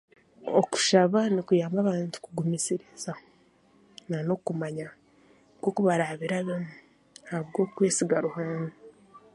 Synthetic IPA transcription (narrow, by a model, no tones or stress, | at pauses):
o̰ku̥ʃaβanikujaːmbaβaːntu̥kuɡumisiɾiza | nano̞kumaɲa | ɡwoːkuβaɾaβiɾaβemu | haβɡo̞ːkwe̞ːsiɡaɾuhaːna